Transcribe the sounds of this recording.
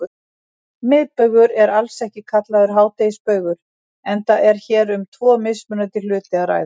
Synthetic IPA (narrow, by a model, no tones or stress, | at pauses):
mɪðpœɥɣʏɾɛɾalsɛhcɪkʰat̪laðʏɾ̥ɦaːwt̪ejspœːɥɣʏɾ̥ | ɛnt̪aɛɾ̥çɛːɾʏmt̪ʰvɔːmɪsmʏnat̪ɪlʏːt̪ɪaɾa̰ːjð